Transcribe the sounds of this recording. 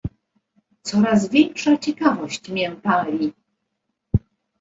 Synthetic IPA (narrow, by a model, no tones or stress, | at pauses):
t̪sɔɾazvʲjɛŋkʂat͡ɕɛkavɔɕt͡ɕmʲjɛmpalʲi